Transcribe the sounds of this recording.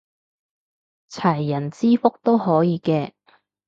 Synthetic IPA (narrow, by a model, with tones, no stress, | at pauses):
t͡sʰɐ˨˩jːɐ˨˩nt͡siː˥fʊ˥k̚t̪o˥whɔː˨˥jiː˨˧kɛː˧